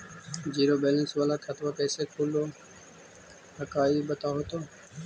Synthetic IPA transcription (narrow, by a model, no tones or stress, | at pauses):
d͡ʒiːɾoːbeːlənsʋaːlaːkʰət̪ʋakɛːsekʰuloː | həkaːibət̪aːɦoːt̪oː